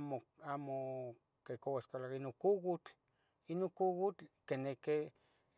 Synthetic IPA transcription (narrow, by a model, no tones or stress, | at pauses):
moamo | kekowaskalakainoŋkuɡut͡ɬ | inoŋkuɡut͡ɬkeneke